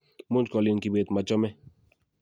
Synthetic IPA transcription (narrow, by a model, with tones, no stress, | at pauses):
mu˦nt͡ʃkɔ˨li˨nki˨be˨t̪ma˨t͡ʃɔ˦mɛ˦